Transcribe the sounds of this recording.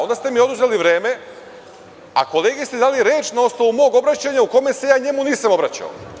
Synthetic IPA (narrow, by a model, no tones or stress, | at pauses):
o̞nd̪ast̪e̞mio̞d̪uzeliʋɾeːme̞ | a̰ko̞leːɡest̪ed̪aːliɾjeːt͡ʃnao̞sno̞ʋumo̞ːɡo̞bɾat͡ɕaɲauko̞mese̞jaːɲe̞muniːsamo̞bɾat͡ɕa̰o̰